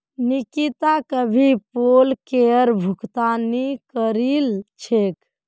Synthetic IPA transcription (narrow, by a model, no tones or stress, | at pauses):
nikit̪akəbʱipolkeəɾbʱukt̪anikəɾilt͡ʃʰek